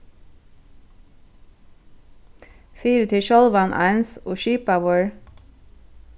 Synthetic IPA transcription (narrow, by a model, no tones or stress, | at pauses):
fiːɾət̪ʰɪʃɔlʋɑnʔɑ̰ɪnsoːʃiːpɑwəɹ